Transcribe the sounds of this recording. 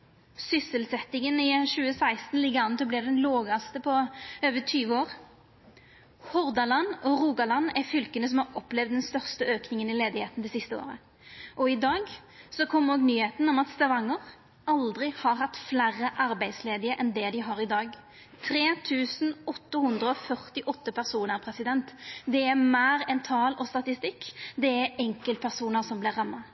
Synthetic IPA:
sʏsəlsɛt̪ːɪŋənɪʃʉːəsæɪst̪n̩lɪɡəɑnt̪ɔblɪʁd̪ɛnlɔːɡɑst̪əpʰɔøːʋət̪ʰyːʋəoːʁ | hɔʁd̪ɑlɑnɔʁuːɡɑlɑnːæʁfʏlkənəs̬ɔmhɑʁɔplɛʋd̪ːɛnst̪œʁst̪əøːknɪŋənɪleːd̪ɪheːt̪n̩d̪ɛːsɪst̪əo̰ːɾə̰ | ʔɔɪd̪ɑːɡ | sɔkʰɔmːhoːɡnyːheːt̪nɔmɑt̪st̪ɑʋɑŋːəʁ | ɑld̪ɾɪhɑɾɦɑt̪ːflæːɾəʔɑɾbæɪd̪sleːd̪ɪəʔɛnd̪ɛd̪ɪɦɑɾɪd̪ɑːɡ | t̪ʰɾeːt̪ʰʉːsn̩ɔt̪ːəhʉnd̪ɾʁəɔfœʁt̪ɪʔɔt̪ːəpʰæʁsuːnəʁpʰʁɛsɪd̪ɛnt̪d̪ɛæmæːɾɛnt̪ʰɑːlɔst̪ɑt̪ɪst̪ɪkːd̪ɛæɾɛŋkəl̚pʰæʁsuːnəʁsɔmblɪʁːɑmːɑ

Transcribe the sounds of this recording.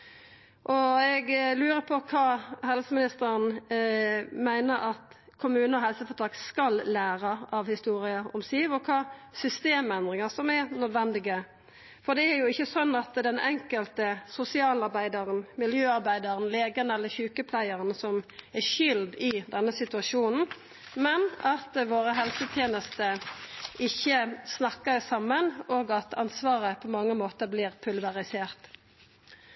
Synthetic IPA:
ʔɔɛɡlʉːɾəpʰɔkʰɑːɦɛlsəmɪnɪst̪əɾən | mæɪnəɾʔɑt̪ | kʰʊmʉːnəɔɦɛlsəfɔt̪ʰɾɑkskɑlːæːɾəʔɑʋhɪst̪uːɾɪəʔɔmsiːʋɔkʰɑːsʏst̪eːmɛnd̪ʁɪŋɑsɔmɛɾnœd̪ʋɛnd̪ɪɡə | fɔd̪ɛæɾjʊɪçːəsɔnːɑt̪d̪ɛnɛŋkəlt̪əsʊsɪɑːlɑɾbæɪd̪ɑʁənmɪljøːɑɾbæɪd̪ɑɾənleːɡənɛlːəçʉːkəpʰlæɪəʁənsɔmɛʃʏld̪ɪd̪ɛnːəsɪt̪ʉɑʃuːnn̩ | mɛnɑt̪ʋoːɾəɦɛlsət̪ʰjeːnəst̪əʔɪçːəsnɑkːəɾsɑmːənoːɡɑt̪ʰɑnsʋɑːʁəpʰɔmɑŋːəmoːt̪əbliːʁpʰʉlʋɑʁɪseːʁt̪

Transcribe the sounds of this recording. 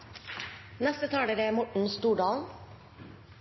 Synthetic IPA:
nɛst̪ət̪ʰɑːɖeːdeæːmɔʈɳ̩st̪uːɖɑːln̩

